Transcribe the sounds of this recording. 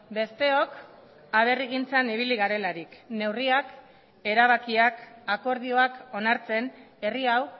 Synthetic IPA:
be̞st̪e̞o̞k | aβ̞e̞riɣint͡saniβ̞iliɣaɾe̞laɾikne̞wriak | e̞ɾaβ̞akiakako̞ɾð̞io̞ako̞naɾt͡se̞ne̞riaw

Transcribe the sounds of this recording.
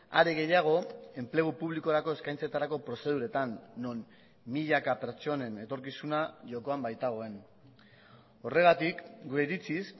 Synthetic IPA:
a̰ɾeɣe̞jaɣ̞o̞e̞mple̞ɣ̞upuβliko̞ɾako̞e̞skajnt͡set̪aɾako̞pɾo̞se̞ð̞uɾe̞t̪anːo̞n | miʎakape̞ɾt͡ʃo̞ne̞ne̞t̪o̞ɾkisunaʝo̞ko̞ambajt̪aɣ̞o̞e̞n | o̞re̞ɣat̪ikɡuɾe̞iɾit͡sis

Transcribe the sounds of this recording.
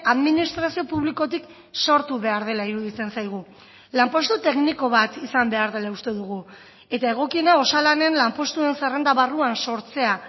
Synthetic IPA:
aðminist̪ɾasio̞puβliko̞t̪̬ik | so̞ɾt̪uβe̞aɾð̞e̞laiɾuðit͡se̞nsajɣ̞u | lampo̞st̪ut̪e̞kniko̞βat̪isambe̞aɾðe̞laust̪e̞ðuɣ̞u | e̞t̪ae̞ɣ̞o̞kie̞nao̞salane̞nlampo̞st̪ue̞nsere̞nd̪aβaruanso̞ɾt͡se̞a

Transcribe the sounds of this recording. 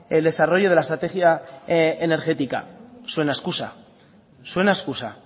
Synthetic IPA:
eld̪e̞saro̞ʝo̞ð̞e̞laest̪ɾat̪e̞xja | eneɾxe̞t̪ika̰swe̞naeskusa̰ | swe̞naeskusa

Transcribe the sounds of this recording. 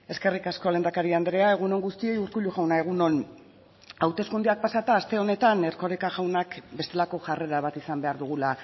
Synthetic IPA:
e̞ske̞rikasko̞le̞nd̪akaɾiand̪ɾe̞ae̞ɣ̞uno̞ŋɡust̪ie̞juɾkuʎuɣawnae̞ɣ̞uno̞n | awt̪e̞skund̪eak̚pasat̪aːst̪e̞o̞ne̞t̪ane̞rko̞ɾikaʝawnakbe̞st̪elako̞ʝare̞ɾaβat̪isambe̞aɾðuɣ̞ula

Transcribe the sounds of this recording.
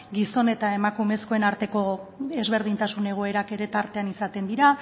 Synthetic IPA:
ɡiso̞ne̞t̪ae̞makume̞sko̞e̞naɾt̪e̞ko̞e̞zβe̞ɾð̞int̪asune̞ɣ̞o̞e̞ɾake̞ɾe̞t̪aɾt̪e̞anisat̪e̞nd̪iɾa

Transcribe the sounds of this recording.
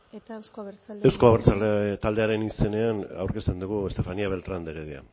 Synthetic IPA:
ewsko̞aβeɾt͡salt̪ald̪e̞aɾe̞nise̞ne̞ana̰wɾke̞st̪e̞nd̪uɣue̞st̪e̞faniaβ̞e̞lt̪ɾand̪eɣeðia̰

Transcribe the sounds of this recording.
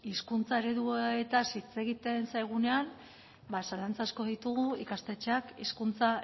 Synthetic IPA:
iskunt͡sae̞ɾe̞ðuet̪asit͡se̞ɣit̪e̞nsajɣ̞une̞an | basalant͡sasko̞ðit̪uɣuikast̪e̞t͡ʃeakiskunt͡sa

